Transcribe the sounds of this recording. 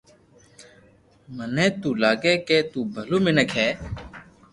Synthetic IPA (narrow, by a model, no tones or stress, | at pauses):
mənẽːt̪uːlaːɡeːkeːt̪uːbʱəluːmɪnəkʰɛː